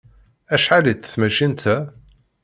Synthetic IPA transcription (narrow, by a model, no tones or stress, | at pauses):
æʃħalit̪ːθmæʃint̪ʰæ